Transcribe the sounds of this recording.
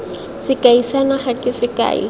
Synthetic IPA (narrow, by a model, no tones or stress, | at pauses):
sɪkaisanaχɛkɪsɪka̰ːḭ